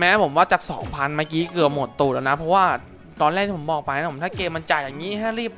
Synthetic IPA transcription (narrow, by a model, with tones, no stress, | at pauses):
mɛː˦˥pʰo˩˦mwaː˥˩t͡ɕaː˨˩k̚sɔː˩˦ŋpʰa˧nmaː˧˩kiː˦˥kɯ˨˩əp̚m˨˩t̪ːuː˨˩laː˨˩na˦˥pʰɔ˦˥waː˥˩ | t̪ɔː˧nlɛː˥˩k̪̚t̪ʰiː˥˩o˩˦mbɔː˨˩k̚pa˧naː˧˥˩pʰmt̪aː˥˩keː˧ma˧nt͡ɕa˨˩jaː˨˩ŋːiː˦˥ɦa˥˩ɾiː˥˩p̚